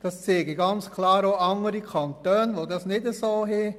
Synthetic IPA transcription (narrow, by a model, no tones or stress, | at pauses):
d̥ɑst͡seːɡiɡɑnt͡skʰlɑːɾoɑŋəɾikʰɑntœːnʋodɑsnɪdəsoːɦe